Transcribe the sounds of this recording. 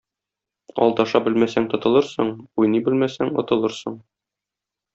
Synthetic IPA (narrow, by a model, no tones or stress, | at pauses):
ɒ̰lˠd̪ɑʃɑbɘlmæsæŋt̪ŏt̪ɤ̆lˠɤɾsɤ̰ɴujnɤbɘlmæsæŋŏ̰t̪ɤ̆lˠɤɾsɤ̰ɴ